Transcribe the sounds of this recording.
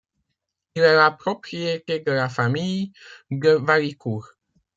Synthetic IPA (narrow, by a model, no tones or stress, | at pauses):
ilɛlapʁɔpχiet̪ed̪əlafamijdəvalikuʁ